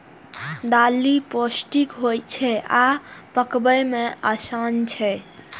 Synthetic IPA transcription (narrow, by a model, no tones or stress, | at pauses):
d̪aliposʈikɦojt͡ʃʰɛapəkbəmeʔasant͡ʃʰɛ